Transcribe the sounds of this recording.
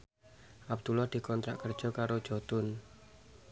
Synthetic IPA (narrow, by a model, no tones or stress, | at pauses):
ʔab̚d̪̥ulahd̪̥i̤kɔnt̪ɾa̰ʔkər̥ʒ̥ɔkaɾod̥ʒ̥ɔt̪ʊn